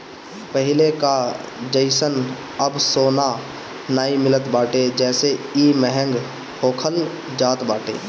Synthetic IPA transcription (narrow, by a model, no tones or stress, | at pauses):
pəɦɪlekad͡ʒəɪsən | əbsoːna | naːimɪlət̪baːʈed͡ʒɛːseiːmɛɦə̃ŋɡ | hoːkʰəl | d͡ʒaːt̪baːʈḛː